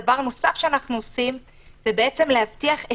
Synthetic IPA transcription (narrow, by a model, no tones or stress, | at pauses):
vaʁnosafʃeanaχnuosim | zebeʔet͡se̞mlehavtiaχe